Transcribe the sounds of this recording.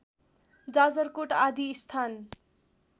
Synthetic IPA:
d͡zad͡zʌrkoʈad̪ʱiːst̪ʰan

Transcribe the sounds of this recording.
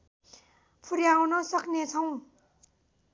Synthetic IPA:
pʰuɾjawnɔsak̚net͡sʰawŋ

